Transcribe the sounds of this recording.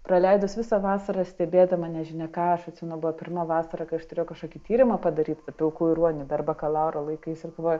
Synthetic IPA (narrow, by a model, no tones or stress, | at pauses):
prɐlʲɛɪd̪ʊsʋʲɪsɐʋɑːsɐɾɐsʲt̪ʲɛbʲeːd̪ɐmɐnʲɛʒʲɪnʲɛkɑːɐʃɐt̪ʲsʲɪmʲɛnʊbʊʋɐpʲɪrmɐʋɑːsɐɾɐkɐɪɐʃt̪ʊɾʲeːjʊkɐʃkoːkʲit̪ʲiːɾʲɪmɐpɐd̪ɐɾʲiːt̪tɐpʲɪlˠkuːɪɾuɔnʲɪd̪ɐrbɐkɐlˠɑʊɾɐlˠɐɪkɐɪsɪrkʋɐ